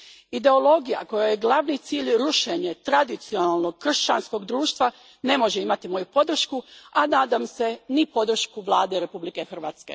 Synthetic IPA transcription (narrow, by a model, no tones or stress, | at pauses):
id̪e̞o̞lo̞ɡija̰ko̞jajeɡlˠaʋnit̪siːʎɾuʃeɲe̞t̪ɾad̪it̪sionalˠno̞ɡkːr̩ʃt͡ɕa̰nsko̞ɡd̪ɾuːʃt̪ʋa | ne̞mo̞ʒeimat̪imo̞jupo̞d̪r̩ʃkuanaːd̪amse̞nipo̞d̪r̩ʃkuʋlˠaːd̪eɾe̞publike̞xr̩ʋaːt̪skḛ